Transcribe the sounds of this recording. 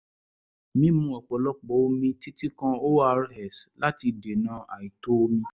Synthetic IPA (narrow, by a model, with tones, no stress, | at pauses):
mĩ˦mũ˧˦ɔ˨k͡pɔ˨lɔ˦k͡pɔ˨˦o˦mĩ˧ti˦ti˦kã˧o˦a˧ɾhɛ˨sla˦ti˧de˨nã˨˦a˨i˨to˦mĩ˧